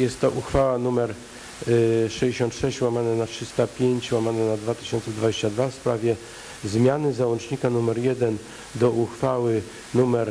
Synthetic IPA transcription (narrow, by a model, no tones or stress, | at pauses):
jɛst̪ːɔʔuxfawanumɛɾ | ʂɛʑd͡ʑeɕɔ̃nt̪ʂɛɕt͡ɕwamananatʂɘst̪apʲjeɲt͡ɕwamananad̪vat̪ɘ̥ɕɔ̃nt̪sɛd̪vad͡ʑeɕt͡ɕad̪vafspɾavʲjɛ | zmʲjanɘzawɔnt͡ʂɲikanumɛɾjɛd̪ɛn | d̪ɔuxfawɘ | numɛɾ